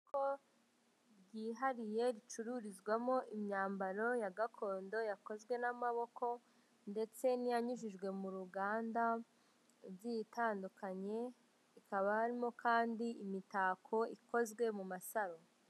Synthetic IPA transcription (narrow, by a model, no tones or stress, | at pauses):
ko | ɾɟiːɦaɾije̞ɾit͡ʃuɾuɾizɡwamo̞ʔimɲaːmbaɾo̞jaɡakʰo̞ːndo̞jako̞zwe̞namaβo̞ko̞ | nde̞t͡se̞nijaɲuʒiʒɡwe̞muɾuɡaːnda | ɾɟitʰaːndukʰaɲe̞ | ikaβahaɾimo̞kʰaːndiimitaːkʰo̞iko̞zɡwe̞mumasaɾo